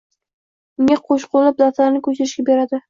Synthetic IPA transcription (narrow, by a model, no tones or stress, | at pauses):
mʊŋʲaqʰoʃqolap̚d̪at̪laɾnɪkʲʰɵt͡ʃʰɪɾɪʃɡʲabeɾad̪ɪ